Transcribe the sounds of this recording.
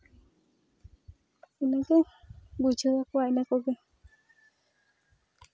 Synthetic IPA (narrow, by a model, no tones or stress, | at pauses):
inãkebut͡ʃuðakʷainãkoke